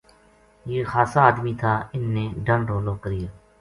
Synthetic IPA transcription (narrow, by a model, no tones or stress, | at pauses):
jeːxaːsaːd̪miːt̪ʰaːɪnːẽːɖəɳɖoːloːkəɾɪjaː